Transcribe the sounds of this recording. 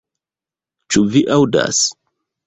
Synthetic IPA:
t͡ʃuviʔawda̰s

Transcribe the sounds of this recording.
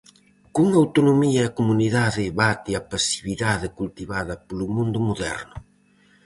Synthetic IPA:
kuŋawt̪onomiɐɛkomuniðaðɪβat̪iapasi̥βiðaðɪkult̪iβaðɐpolʊmũnd̪ʊmoðɛ̰ɾnʊ

